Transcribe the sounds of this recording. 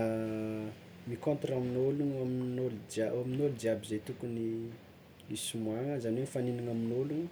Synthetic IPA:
mikõnt̪raminoluŋaminold͡ʒaaminolud͡ʒiabizejt̪ukuni | isumwaŋəzanenifaniniŋaminoluŋə

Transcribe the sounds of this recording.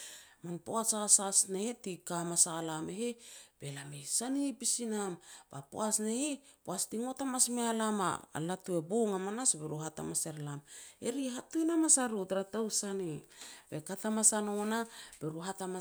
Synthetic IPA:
manpoasaasasneetikamasaalameheb̥e̞lamejsanipisinamba̰po̰asnehepoastiŋo̞tamasmealama̰latue̞boŋamanasbeɾuhata̰mase̞ɾlame̞̰ɾiɦatujnamasaɾutɾatawsanib̥e̞katamasanonab̥eɾuɦatama

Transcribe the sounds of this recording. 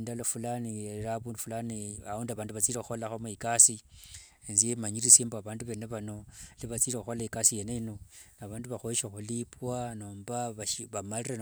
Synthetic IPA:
ndalofulaniraβuːndufulaniaoːndaβaːnduβat͡siːleuxo̞laxomuikasi | enzijemaɲiriseːmboaβaːnduβe̞neβano̞liβat͡silexuxo̞laikasije̞neino̞naβaːnduβaxoʃexulipwano̞ːmbaβaʃβamalire

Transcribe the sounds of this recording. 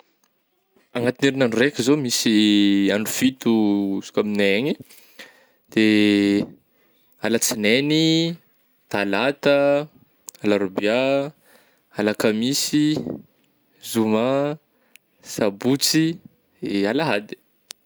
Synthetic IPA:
aŋat̪ineɾinanurekʲizomisianufit̪usu̥kʲaminaeɲi | d̪̥e | alat͡sineni | t̪alat̪ə | alaɾubja | alakamisi | zuma | sabut͡si | alaɦad̪i̥

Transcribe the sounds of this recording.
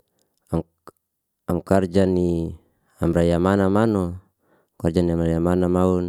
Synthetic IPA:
am | amkard͡ʒani | a̰mrajamanamanɔ | kard͡ʒaniamajamanamaun

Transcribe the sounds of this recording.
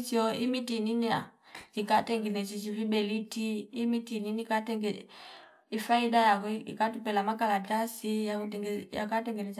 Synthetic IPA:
t͡ʃiɔimitininia̰d͡ʒikatɛŋɡɛnɛt͡ʃit͡ʃivibɛlitiːmitininikatɛŋɡɛ | ifaidajakɔḭkatupɛlamakalatasijatɛŋja̰katɛŋɡɛnɛt͡ʃ

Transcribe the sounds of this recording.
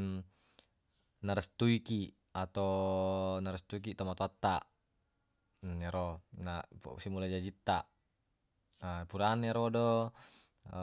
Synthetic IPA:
naɾɛst̪uiki | at̪o | naɾəst̪uik̬it̪omat̪ɔat̪ːa | ɛɾɔnasimulad͡ʒad͡ʒit̪ːa | puɾanɛɾɔdɔ

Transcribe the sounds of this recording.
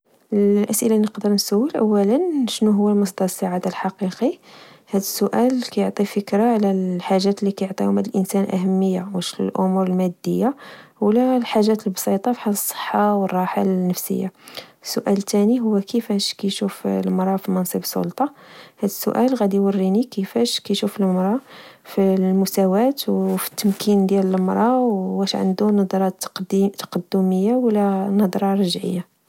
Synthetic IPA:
llʔæsʔəlanəqd̪əɾnsæwːəlʔæwːælənʃnuɦʊwːælmʊsd̪ɑɾsaʕad̪alħɑqiqihæd̪əsːʊʔælkæjoʕt̪ˤifəkɾaʕlæħaʒːæt̪lːikæjoʕt̪ˤijʊmæd̪əlʔənsænlʔæ̰ɦæmːəjːa̰wəʃl̰lʔʊmuɾəlmæd̪ːə̰jːawlælħaʒːæt̪əlbsˤit̪ˤɑfi̥ħaləsˤːə̥ħːawərˤːɑħalnːəfsə̰jːa̰sːʊʔælt̪æniɦʊwːækəfæʃkæjʃufləmɾˤɑfimɑnsˤibsˤːo̰lt̪ˤɑhæd̪əsːʊ̰ʔælɣæd̪iwərːinikəfæʃkæjʃufəlmɾˤɑfilmʊsæwæt̪wfi̥t̪ːəmkʰind̪jælələmɾˤɑwwæʃʕə̰nd̪unɑd̪ɾˤɑt̪t̪ɑ̥qɑd̪ːuməjːawlːænɑd̪ˤɾˤɑɾˤɑʒʕə̰jːa

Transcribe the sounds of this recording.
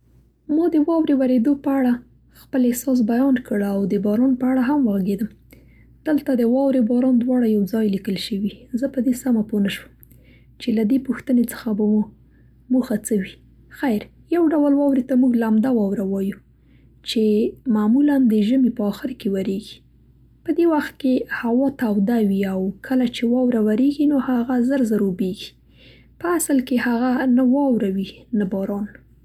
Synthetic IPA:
mɑd̪əwɑwɾewaɾed̪opəaɽa | xpəlehsɑs̬bajɑnkəɽawd̪əbɑɾɑnpəaɽaɦamwaɣɡed̪əm | d̪̥əlt̪ad̪əwɑwɾebɑɾɑnd̪wɑɽajawd͡zɑjlikəlʃəwizəpəd̪esamaponaʃəm | t͡ʃelad̪epuxt̪ənet͡sə̥xabawu | muxat͡səwi | xajɾ | jawɖawəlwɑwɾet̪amuɡlamd̪awɑwɾawɑju | t͡ʃemamuland̪əʒəmipəɑxɪɾkewaɾeɡi | pəd̪ewaxt̪̚kehawɑt̪awd̪awiawkʰəlat͡ʃewɑwɾawaɾeɡinohaɣazəɾzaɾobeɡi̥ | pəasəlkehaɣanawɑwɾawinabɑɾɑn

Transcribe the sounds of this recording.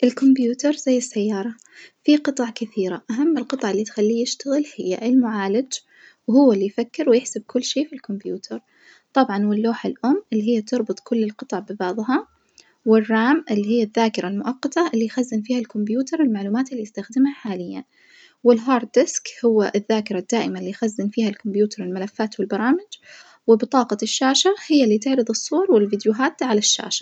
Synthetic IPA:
ʔɪlkʊmbjuːt̪ɑɾˤzajːɪsːajːɑːɾˤɑ | fiqɨt̪ˤɑʕkɪθiːɾaʔaɦamːɪlqɨt̪ˤɑʕɪlːit̪xalːiːjɪʃt̪aɣɪlhɪjːa̰ʔɪlmʊʕaːlɪd͡ʒ | whʊwːalːijfakːɪɾwjɪħsɪb̚kʰʊlːʃiːfilkʊmbjuːt̪ʰɑɾˤ | t̪ˤɑbʕɑnwɪlːoːħɪlʔʊmːʔɪlːiɦɪjːat̪ɑɾˤbɨt̪ˤkʊlːɪlqɨt̪ˤɑʕbɪbɑʕðˤɦɑ | wɪrːaːmʔɪlːiɦɪjːaðːaːkɪɾˤalmʊʔɑqːɑt̪ɑʔɪlːijxazːɪnfiːhalkʊmbjuːt̪ɑɾˤwɪlmaʕluːmaːt̪ɪlːijɪst̪axd̪ɪmhaħaːlɪjːa̰n | wɪlɦɑːɾˤd̪d̪ɪskhʊwːaʔɪðːaːkɪɾˤad̪ːaːʔɪmalːijxazːɪnfiːhalkʊmbjuːt̪ʰɑɾˤɪlmalafːaːt̪wɪlbɑɾˤɑːmɪd͡ʒ | wɪbɪt̪ˤɑːqɑʃːaːʃahɪjːalːiːt̪ɪʕɾɨðˤɨsˤːuwɑɾˤwɪlvɪd̪jʊɦaːt̪ʕalaʃːa̰ːʃḁ

